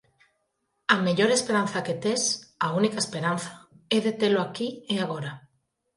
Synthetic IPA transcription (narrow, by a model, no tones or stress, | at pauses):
ameʎoɾespeɾanθaket̪esaunikaespeɾan̟θḁɛðet̪eloakieaɣ̞oɾa